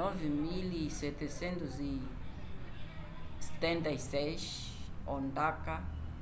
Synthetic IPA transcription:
ɔvɪmilisɛt̪esẽnt̪ʊzi | se̥t̪ẽnt̪ɐisɛjʃ | õnd̪aka

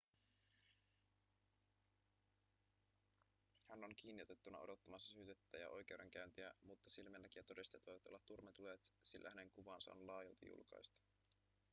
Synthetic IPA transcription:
hæno̞nk̟iːnːio̞t̪e̞t̪ːunɑo̞̰do̞t̪ːɑmɑsːɑsyːt̪et̪ːæːjɑ̰ʔo̞jk̟e̞wɾe̞ŋk̟æynt̪iæmut̪ːɑsilmenːæk̟ijɑt̪o̞dist̪et̪ʋo̞jʋɑt̪o̞lːɑt̪ːurmet̪luet̪silːæ̰hæne̞ŋkuʋɑːnsɑ̰o̞̰nlɑːjɑlt̪ɑ̰jṵlkɑ̰jst̪ɑ̥

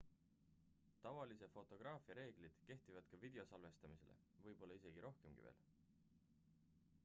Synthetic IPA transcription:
t̪ɑvɑlise̞fo̞t̪ːˑo̞ɡ̥rɑːfiɑɾe̞ːɡ̥lid̪̥ke̞ht̪ivɑd̪̥kɑvid̪̥e̞o̞sɑlve̞st̪ɑmise̞le̞̰ | vɤjbo̞lːɑise̞ɡ̥iɾʔo̞hke̞mɡ̥ḭve̞̰ːl

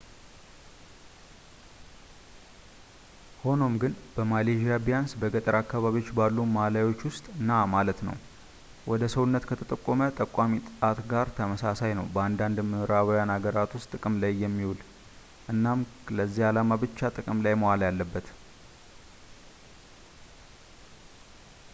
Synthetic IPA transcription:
ho̞no̞mɡɨnb̥əmaleʒijabijansbəɡət̪ʼəɾakːaβaβiwo̞t͡ʃːbalːumalajwo̞t͡ʃːwʊst̪ʼɨnːamalət̪nə̰w | wʔɔd̪əsəwnːət̪kʰət̪ʰət̪ʼəkʼːomət̪ʼəkʷʼːamit̪ʼɨat̪ɡaɾt̪ʰəməsasajnə̰wbəand̪and̪mɨɾaβəjanaɡəɾat̪wʊst̪ʼɨkʼɨmlajːɛmːiwul | ʔɨnːamləzːihalamabɨt͡ʃːat̪ʼɨkʼɨmlajmowalajalːəbːət̪

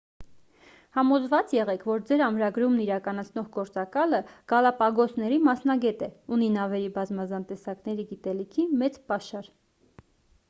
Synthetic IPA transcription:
hɑmɔzvɑt͡sjɛʁɛkʰvɔɾd͡zɛɾɑmɾɑɡɾumniɾɑkɑnɑt͡sʰnɔʁɡɔɾt͡sɑkɑləɡ̥ɑlɑpɑɡɔsnɛɾimɑsnɑɡɛt̪ɛuninɑvɛɾibɑzmɑzɑnt̪ɛsɑknɛɾiɡit̪ɛlikʰimɛt͡spɑʃɑɾ

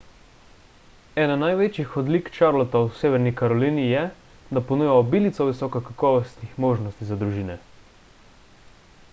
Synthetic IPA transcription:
ɛːnanajʋeːt͡ʃixɔd̪likt͡ʃaɾlɔt̪awseːʋɛɾnikaɾɔlinijɛ | d̪apɔnujaɔbiːlit̪sɔʋisɔkɔkakɔːʋɔst̪nixmoːʒnɔst̪izad̪ɾuʒiːnɛ

